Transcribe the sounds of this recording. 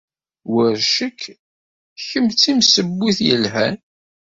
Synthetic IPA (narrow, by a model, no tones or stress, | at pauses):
wəɾʃəkʰː | çəmt͡sːimsəbːiθjəlɦæn